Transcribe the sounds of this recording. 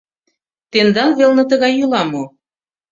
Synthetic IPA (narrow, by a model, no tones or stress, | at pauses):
t̪end̪ɑnvelnɤ̆t̪əɣɑjːylɑmo